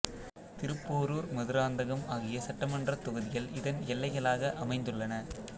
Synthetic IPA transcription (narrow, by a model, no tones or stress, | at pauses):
t̪ɪɾɯpːoːɾuːɾmɐðɯɾaːnd̪ɐɣɐmaːɣɪjɐsɐʈːɐmɐndrɐt̪ʊɣɐðɪjɐlɪðɐnɛlːɐɪɣɐlaːɣɐʔɐmɐɪnd̪ɯɭːɐnɐ